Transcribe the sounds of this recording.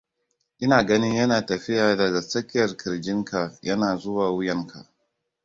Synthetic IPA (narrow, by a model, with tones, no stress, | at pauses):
ʔɪ˦naː˨ɡɐ˦nɪ˦ɲjɐ˦naː˨tɐ˨ɸɪ˦jaː˨dɐ˨ɡa˨sɐ˦kʲɪ˦jɐ˨rkʰɪ˨ɾd͡ʒɪ˦ŋka˨jɐ˦naː˨zʊ˦waː˨wʊ˦jɐ˦ŋkʰa̰˨ʔ